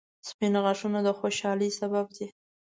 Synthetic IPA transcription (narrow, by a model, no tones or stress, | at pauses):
spɪnɣaʂunod̪əxoʃɑləsabab̚d̪i